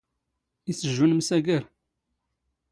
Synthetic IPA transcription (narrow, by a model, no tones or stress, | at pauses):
isəʒːunmsæɡæɾ